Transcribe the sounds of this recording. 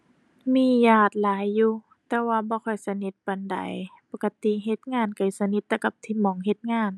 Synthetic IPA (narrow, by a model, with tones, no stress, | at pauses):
miː˧˥˩jaː˧˩t̪̚laː˨˦jːuː˧ | t̪ɛː˧waː˧bɔː˧˦kʰɔ˧˩jsa˧ni˧˦t̪̚ba˨nda̰˨jpo˧ka˧t̪i˧˨ɦe˧t̪̚ŋaː˧˥˩nka˨˩jsa˧ni˧t̪ːɛː˧ka˧˩p̚t̪ʰiː˧mɔː˨˩ŋɦe˧˦t̪̚ŋaː˧˩˨n